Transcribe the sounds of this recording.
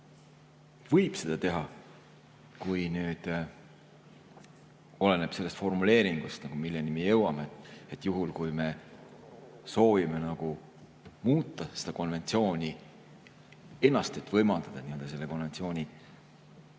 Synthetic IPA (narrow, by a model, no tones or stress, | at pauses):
vɤjb̥se̞d̪̥ɑt̪e̞ɦɑ | kujnyːd̪̥ | o̞le̞ne̞b̥se̞lːe̞st̪fo̞rmule̞ːɾiŋɡ̥ust̪nɑɡ̥umilːenimejɤwɑmet̪ːet̪ːˑjuɦulkujme̞ | so̞ːvime̞nɑɡ̥u | muːt̪ːˑɑse̞d̪̥ɑko̞nve̞nt̪sio̞ːnʲi | e̞nːɑst̪et̪ːˑvɤjmɑld̪̥ɑd̪̥ɑniø̞ld̥̪ɑse̞lːe̞ko̞nve̞nt̪sio̞ːnʲi